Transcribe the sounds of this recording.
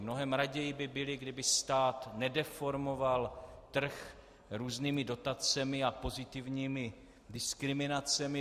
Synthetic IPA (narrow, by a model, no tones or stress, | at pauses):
mno̞ɦɛmɾaɟɛjɪbɪbɪlɪɡdɪbɪst̪aːt̪nɛdɛfo̞ɾmo̞valt̪r̩x | ɾuːzniːmɪdo̞t̪at͡sɛmɪapo̞zɪt̪ɪvɲiːmɪ | dɪskɾɪmɪnat͡sɛmɪ